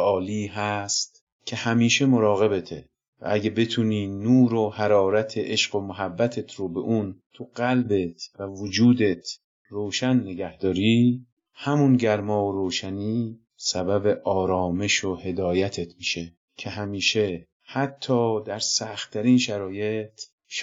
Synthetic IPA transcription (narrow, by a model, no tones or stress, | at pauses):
ɒːliːɦæst̪ | cʰe̞hæmiːʃe̞mo̞ɾɒːɣe̞be̞t̪ʰe | væ̰æɟebe̞t̪ʰuːniːnuːɾohæɾɒːɾæt̪ʰeʔeʃɢo̞moɦæbːæt̪ʰet̪ʰɾobe̞ʔunt̪ʰuɢælbet̪ʰvævod͡ʒuːd̪e̞t̪ʰ | ɾoːʃænːe̞ɡæhd̪̥ɒːɾiː | hæmunɟæɾmɒːoɾoːʃæniː | sæbæbe̞ʔɒːɾɒːme̞ʃohe̞d̪ɒːjæt̪ʰe̞t̪ʰmiʃe | cʰe̞ɦæmiːʃe̞ | hæt̪ʰːɒːd̪æɾsæxt̪ʰːæɾiːnʃæɾɒːje̞t̪ʰ | ʃ